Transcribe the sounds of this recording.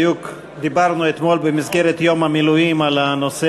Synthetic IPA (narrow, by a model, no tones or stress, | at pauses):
juk | d̪ibaʁnuet̪mo̞lbemizɡe̞ʁet̪jo̞mhamiluimalano̞se